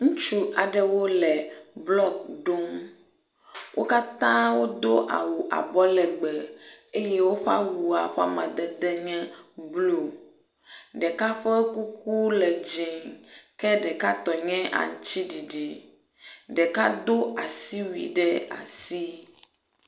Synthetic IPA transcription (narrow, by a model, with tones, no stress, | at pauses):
ŋũ˦t͡ʃu˦ʔa˨ɖɛ˨wo˦lɛ˨blɔ˦k̚ɖo˦m | wʔo˦ka˦t̪ã˦wo˦d̪o˦ʔa̰˨wu˨ʔa̰˨bɔ˦lɛ˨ɡ͡bɛ˨e˦je˦wo˦ɸa̰˦wu˨a˨ɸa̰˦mã̰˨d̪ɛ˦d̪ɛ˦ɲɛ̃˦blo˨ | ɖɛ˨ka˦ɸɛ˦ku˦k̚u˦lɛ˨d͡ʒĩ˨ŋkɛ˦ɖɛ˨ka˦t̪ɔ˨ɲɛ̃˦ʔa̰˨ŋu˨t͡ɕi˦ɖi˨ɖi˨ | ɖɛ˨ka˦d̪o˦a˨si˦wḭ˨ɖɛ˦a̰˨si˦